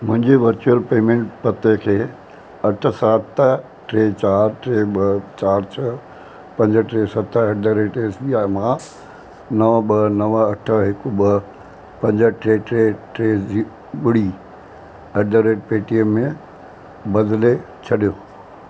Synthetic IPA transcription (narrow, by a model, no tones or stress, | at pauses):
mʊ̃ɦɪ̃ɲd͡ʑeʋɐɾt͡ɕuəlpeːmẽːɳʈpɐt̪ekʰeː | ɐʈʰə̆sat̪ʰ | ʈɾeːt͡ɕaːɾʈɾeːɓɐt͡ɕaːɾt͡ɕʰɐ | pɐ̃ɲd͡ʑə̆ʈɾeːsɐt̪ʰəeɖəɾeːʈeːsɓiaːɪmã | nɐʋəɓɐnɐʋəɐʈʰəɦɪkʊɓɐ | pɐ̃ɲd͡ʑəʈɾeːʈɾeːʈɾeːi | ɓɪɽ̤i | ɐɖəɾeːʈ̚peːʈiəmːẽ | bɐd̪le | t͡ɕʰɐɗijo